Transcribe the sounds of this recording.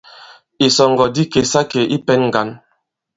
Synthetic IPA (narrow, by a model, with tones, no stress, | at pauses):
i˨sɔ˨ŋɡɔ˨di˦ke˨sa˦ke˨ʔi˦pɛ˦nŋ˨ɡa˨˦n